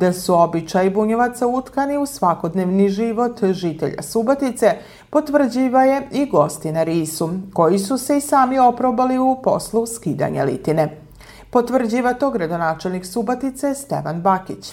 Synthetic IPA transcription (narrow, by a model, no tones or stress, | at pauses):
d̪asuobit͡ʃajibuɲeʋat̪saut̪kaniusʋako̞d̪neʋniʒiʋo̞t̪ʒit̪ḛʎa̰subot̪it̪se̞ | po̞t̪ʋr̩d͡ʑiːʋaje̞iɡo̞st̪inaɾiːsuko̞jisuse̞isaːmio̞pɾobaliupo̞̰slˠuskiːd̪a̰ɲa̰lḭt̪ine | po̞t̪ʋr̩d͡ʑiːʋat̪o̞ɡɾad̪o̞naːt͡ʃelˠniksubot̪it̪se̞st̪ḛʋanbakit͡ɕ